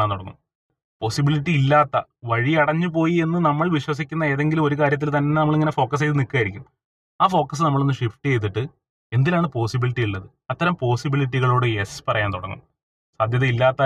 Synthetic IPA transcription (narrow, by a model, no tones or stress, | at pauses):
aːnt̪oɽɐŋːṵm | po̞ːsibiliʈːiilːaːt̪ːɐʋɐɻiɐɽɐɲːɨpo̞ːjie̞nːɨnɐmːɐɭʋiɕwɐs̬ikʲːunːɐe̞ːðe̞ŋɡilumo̞ɾukaːɾjɐt̪̬ːilt̪ɐnːenɐmːɐɭiŋːɐne̞fo̞ːkːɐs̬ejt̪ːɨnikːaːjiɾikʲːumː | aːfo̞ːkːɐs̬ɨnɐmːɐɭonːɨʂifʈɨjejt̪̬ːiʈːɨ | e̞nd̪ilaːɳɨpo̞ːsibiliʈːijiɭːɐðɨ | ɐt̪ːɐɾɐmpo̞ːsibiliʈːiɣɐɭoːɽɨespɐrɐjaːnt̪oɽɐŋːṵm | saːd̪ʱjɐðɐilːaːt̪ːɐ